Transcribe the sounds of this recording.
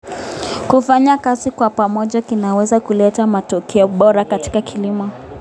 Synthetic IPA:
kufaɲakazikwapamɔʄakinawɛzakulɛtamatɔkʰɛɔɓɔɾakati̥kakʰilimɔ

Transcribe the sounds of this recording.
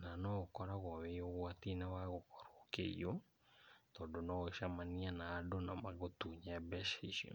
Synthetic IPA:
nanɔɣokɔɾaɣɔβeoɣwatinawaɣokɔ̥ɾokḛḭo | tɔːndonɔɣʃamanianaːdonamaɣotuːɲaabɛʃiʃiɔ̰

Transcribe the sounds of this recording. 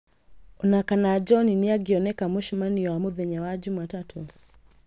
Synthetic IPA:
unakanad͡ʒɔniniaɡiɔnɛkamuʃimaniwamuðɛɲawad͡ʒumatatʰu

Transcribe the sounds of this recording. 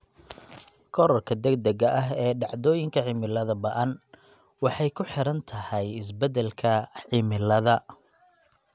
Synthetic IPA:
kʰɔɾɔrkʰɐd̪ɛɡd̪ɛɣɐʔɐɦɛːɖɑʕd̪ɔːjɪŋkʰɐʕɪmɪlɐðɐbɐʔɐn | wɑħɑjkʰʊħɪɾɐnt̪ʰɐhɐjɪs̬bɛd̪ɛlkʰɐʕɪmɪlɐðɐ

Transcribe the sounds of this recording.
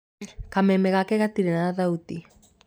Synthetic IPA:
kamemeɣakeɣat̪iɾenaðaðaut̪i

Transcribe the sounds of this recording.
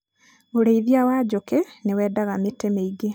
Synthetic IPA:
oɾeiðiawad͡ʑokenewɛːdaɣametemeiɡe

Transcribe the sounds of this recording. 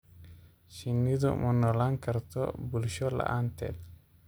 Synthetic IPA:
ʃinːid̪ɔ̰mʔɔnɔlaŋkɐɾt̪ɔ̰bulʃɔla̰ʔant̪ɛ̰l

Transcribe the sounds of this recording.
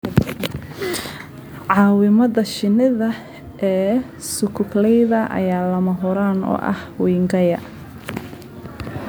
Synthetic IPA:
ʕɑːwɪmɐðɐʃɪnɪðɐ | ʔɛː | sʊkʰʊklɛjðɐʔɐ̰jaːlɐmɐɦʊɾaːnɔ̰ːʔɐ̰hwiːŋɡɐjɐ

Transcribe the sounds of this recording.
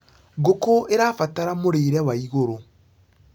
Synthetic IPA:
ɡokoeɾafataɾamoɾeːɾɛwaiɣoɾo

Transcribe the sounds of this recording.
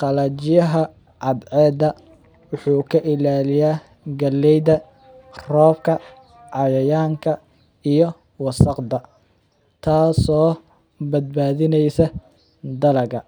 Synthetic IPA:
qɑlɐt͡ʃɪjɐɦɐ | ʕɑd̪ʕɛːdɐ | wʊħuːkʰɐʔɪlaːlɪjaː | ɡɐlːɛjðɐ | rɔːbkʰɐ | ʕɑjɐjaːŋkʰɐ | ijɞ | wɑsɐqd̪ɐ | t̪ʰaːsɔː | bɐd̪̚baːðɪnɛjsɐ | d̪ɐlɐɣɐ

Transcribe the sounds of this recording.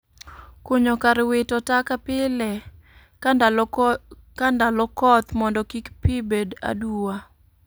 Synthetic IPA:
kwoɲokaɾwɪtɔtakapɪlɛ | kandalɔkɔt̪mɔndɔkikpibeda̰duwa

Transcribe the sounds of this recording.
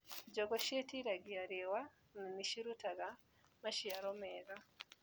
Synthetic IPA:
ɟoɡoʃetiɾaɡiaɾewa | nimiʃiɾutaɡa | maʃiaɾomeɣa

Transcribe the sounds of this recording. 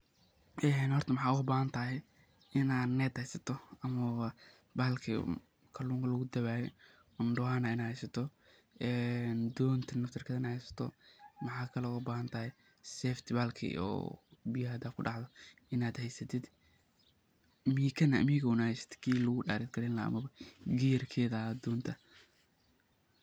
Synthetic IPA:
ʔɛnhɔrt̪ʰɐmɑħɑːuʊbaːɦɐnt̪ʰaːɦɛ | ɪnaːd̪nɛt̪hɛjsɐt̪ʰɔɐmɐɐ | baːlkʰḭ | kʰɐluːŋkʰɐlɐɣʊd̪ɐβaːjɔ | ʊnɖʊwaːnɐɪnaːhɛjsɐt̪ʰɔ | ɛːnd̪ɔːnt̪ʰɐnɐft̪ʰɐrkʰɐðɐnɐhɛjsɐ̥t̪ʰɔ̰mɑħɑːkʰɐlɔʊbaːhɐnt̪ʰɐhɛj | sɛːft̪ʰbaːlkʰḭɔ̰ːbɪjɦɐd̪aːfkʰʊɖɑʕd̪ɔʔɪnaːd̪hɛjsɐt̪ʰɪd̪ | miːkʰɐnɐ̰ʔmiːɣʊnɐhɛjsɐ̥t̪ʰɪ̥kʰiːlɐɣʊɖaːɾɪd̪̚ɡʰɐɾɛnlɐɐ̰mɐβɐɡijɐrkʰɛːðɐd̪ɔːnt̪ʰɐ

